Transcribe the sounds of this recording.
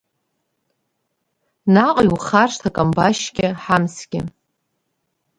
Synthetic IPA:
naqʼjwχarʂtʰakʼambaʃɡʲɪħamsɡʲɪ̰

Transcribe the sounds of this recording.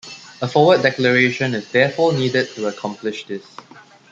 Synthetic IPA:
əfɔwəddːɛkləɹeʃə̃nɪsdɛfɔniːdəd̚tːuəkʰɔ̃mplɪʃdɪs

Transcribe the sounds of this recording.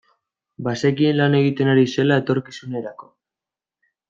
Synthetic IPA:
base̞kienlane̞ɣ̞it̪e̞naɾise̞lae̞t̪o̞ɾkisune̞ɾako̞

